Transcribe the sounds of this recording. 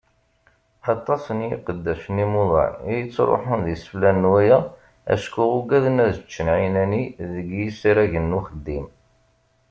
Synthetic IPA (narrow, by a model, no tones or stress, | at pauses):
ħɑt̪ˤːɑsˤənjḭqəd̪ːæʃənimʊðˤɑ̰ʕijət͡sːɾˤo̰ħənðisə̥flænːwæjæ | æ̰ʃkuʁʊɡæðənæðət͡ʃːənʕinæniðəɡjisiɾæʝənːuxəd̪ːim